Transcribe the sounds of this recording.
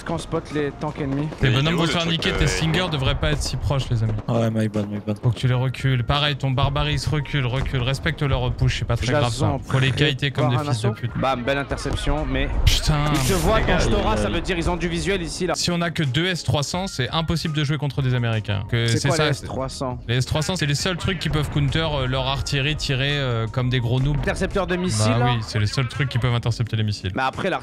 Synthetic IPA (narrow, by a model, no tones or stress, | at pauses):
kɑ̃spɔt̪let̪ɑ̃kɛnmit̪ebɔnɔmvɔ̃sɛʁnikʲet̪esiŋɡʲœʁd̪əvʁɛpaɛt̪χəsipχɔʃlezamiwɛmajbɔd̪majbɔd̪puʁkə̥t̪yleʁəkʲʰylpaʁɛjt̪ɔ̃baʁbaʁisʁəkʲylʁəkʲylʁɛspɛk̚t̪əlœʁpuʃsɛpat̪χɛɡʁaṽuʁlekalit̪ekɔmmd̪ẽisd̪əpyt̪babɛlɛ̃t̪ɛʁsɛpsjɔ̃mɛʃt̪ɛ̃isəvwakɑ̃t̪ɔʁasavød̪iʁilzɔ̃d̪yvizɥɛlisilasiɔ̃nakʲəd̪øɛst̪χwasɑ̃sɛʔɛ̃pɔsibld̪əʒwekɔ̃t̪χəd̪ezameʁikʲɛ̰̃kəsɛsɛwsast̪wasɑ̃leɛst̪χwasɑ̃sɛlesœlt̪χykʲːipœvkunt̪œʁølœʁaʁt̪iʁit̪ʰiʁeøkɔmd̪eɡʁonubɛt̪ɛʁsɛp̚t̪œʁd̪əmibaiwisɛlesœlt̪χykʲːipœvɛ̃t̪ɛʁsɛp̚t̪ed̪əmisḭlmɛapχɛla